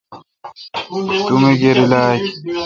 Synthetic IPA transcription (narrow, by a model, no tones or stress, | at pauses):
t̪umeɡeɾilaːk